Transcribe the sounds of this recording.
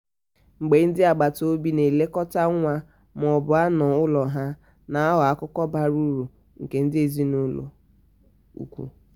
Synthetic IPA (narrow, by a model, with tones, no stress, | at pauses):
ŋ͡m̩˨ɡ͡be˨˦n̩˦dɪ˦a˨ɡ͡ba˨to˦bi˦ne˨le˦kɔ˦ta˦ŋʷa˦ | m˨ɔ˨bʊ˨a˦nɔ˨ʊ˦lɔ˨ɦa˦ | na˨a˦ɦʊ˨a˦kʊ˦kɔ˦ba˦ɾu˦ɾu˨ | ŋ̩˨ke˨n̩˦dɪ˦e˨zi˦nʊ˦lo̰˨ | ṵ˨kʷṵ˦